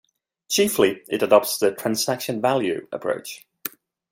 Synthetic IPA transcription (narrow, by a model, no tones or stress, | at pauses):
t͡ʃʰiˑfliɪ̰tədɒp̚tsðətʰɹ̥ãnsakʃə̃nvaljʉ̰ə̰pʰɹ̥ə̰ʊt͡ʃ